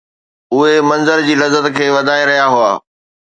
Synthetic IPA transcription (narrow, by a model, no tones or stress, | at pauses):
ʊɦemɐ̃nzəɾd͡ʑiːlɐzːət̪kʰeːʋɐd̪ʱaːẽɾɐɦijaɦua̰ː